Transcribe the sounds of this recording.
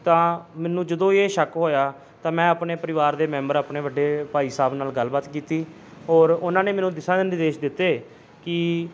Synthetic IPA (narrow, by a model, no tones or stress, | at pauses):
t̪ãːmɛːnũːd͡ʒəd̪õːeːʃəkɦoːjaː | t̪ãːmɛ̃ːəpneːpəɾɪʋaːɾd̪eːmɛ̃ːmbəɾaːpneːbəɖːeːpaːiːsaːbnaːlɡəlbaːt̪kiːt̪iː | ɔːɾʊnãːneːmɛːnũːd̪ɪsãːd̪ɪnɪd̪eːʃd̪ɪt̪ːeː | kɪ